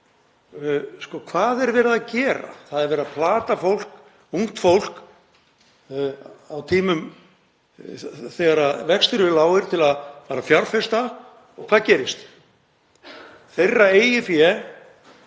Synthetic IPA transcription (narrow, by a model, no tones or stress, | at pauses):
skɔkʰvaːðɛɾvɛːɾɪðacɛːɾa̰θaðɛɾvɛːɾapʰlaːt̪afowl̥k | uŋ̥t̪fowl̥k | awt̪ʰiːmʏm | θɛːɣaɾaðvɛkst̪ʏɾɪlaːwɪɾ̥t̪ʰɪlaðfaːɾafjaɾfɛst̪a | ɔɣkʰv̥aːðcɛːɾɪst̪ | θejrːaeːjɪfjɛ